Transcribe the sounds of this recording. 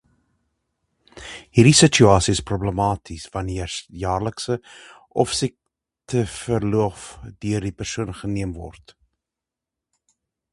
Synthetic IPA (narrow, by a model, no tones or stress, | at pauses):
hiːrdisət͡ʃyɑːsiəsprubləmɑːtʰisvɐniəjɑːrləksəʔɔfsik̚ | tʰəfərluəfdøərdipərsuənχəniəmvɔ̰rt